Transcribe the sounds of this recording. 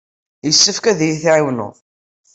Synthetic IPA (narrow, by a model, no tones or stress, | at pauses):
jəsːəfkæðjiθiʕiwnʊ̰ðˤ